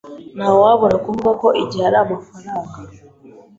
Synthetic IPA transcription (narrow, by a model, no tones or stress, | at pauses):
nawaβɔɾakumbakɔʔid͡ʒaɾamafaɾaŋɡa